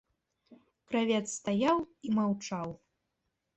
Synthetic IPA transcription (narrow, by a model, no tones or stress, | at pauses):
kɾavʲɛt̪st̪ajawimawt͡ʂaw